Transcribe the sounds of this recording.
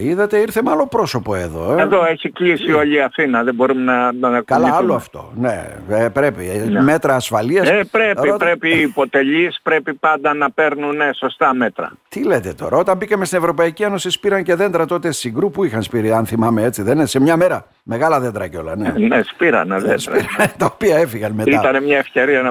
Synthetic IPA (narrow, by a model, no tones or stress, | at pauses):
iðɐt̪e̞iɾθe̞mɐlo̞pɾo̞so̞po̞e̞ðo̞̰eðoeçikʎisio̞ʎiɐθinɐðebo̞ɾumenɐkkɐalɐɐloɐft̪o̞̰nḛepɾe̞pime̞t̪ɾɐːsfɐliɐsepɾeipɾepiːpo̞t̪eʎispɾepipɐnd̪ɐnɐpe̞ɾnuneso̞st̪ɐmet̪ɾɐ̰t̪ile̞t̪e̞t̪o̞̰ɾɐo̞t̪ɐmbikɐmest̪ine̞vɾo̞pɐicieno̞sispiɾɐnce̞ðe̞nd̪ɾɐt̪o̞t̪esiɡɾupuixɐnspiɾiɐnθimɐme̞et͡siðenese̞mɲɐme̞ɾɐ | me̞ɣɐlɐðend̪ɾɐceo̞lɐ̰nenespiɾɐ̰neðend̪ɾɐiɾɐnet̪ɐopiɐefiɣɐnme̞iɐt̪ɐnemɲɐefce̞ɾiɐnɐ